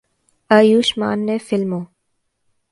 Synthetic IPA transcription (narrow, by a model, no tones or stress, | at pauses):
əjuːʃma̰ːnːeːfɪlmoː